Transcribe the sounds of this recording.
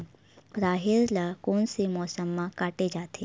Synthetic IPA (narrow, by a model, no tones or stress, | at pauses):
ɾaːɦeɾlakoːnsemɔːsəmːãkaːʈed͡ʒaːt̪ʰe